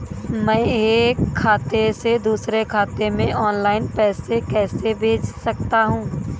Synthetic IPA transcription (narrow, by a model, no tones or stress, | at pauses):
mɛ̃ːeːkʰːaːt̪esed̪uːsɾekʰaːt̪emẽʔɔːnlaːɪnpɛːsekɛːsebʱeːd͡ʒsɐk̚t̪aɦũː